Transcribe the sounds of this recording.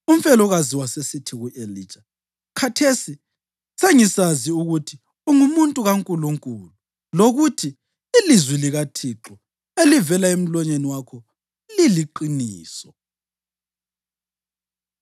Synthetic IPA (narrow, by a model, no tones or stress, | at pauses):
um̩fɛlɔɣaziwasesitʰiɣuʔelit͡ʃʼa | kʰatʰesi | seŋisaziuɣutʰi | uŋumuntʼuɣaŋkʼuluŋkʼulu | loɣutʰiː | lizwiliɣatʰiǁɔ | elivɛlaem̩lɔɲeniwakʰɔ | liliǃiniːsɔ